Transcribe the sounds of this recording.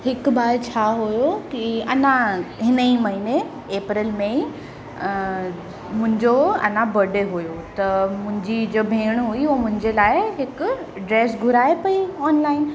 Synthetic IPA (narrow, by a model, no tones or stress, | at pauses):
hɪkbaːɾt͡ɕʰaːɦujokiɐnãɦɪnəimɐɦine | eːpɾɪːlmẽ | mʊ̃ɦɪ̃ɲd͡ʑoɐ̰nãbɐɖeɦujot̪ɐmʊ̃ɦɪ̃ɲd͡ʑid͡ʑobʱeːɽ̃ɦuiomʊ̃ɦɪ̃ɲd͡ʑelaːɪɦɪkʊ | ɖɾeːsɡʱʊɾaːepɐiɔːnlaːɪn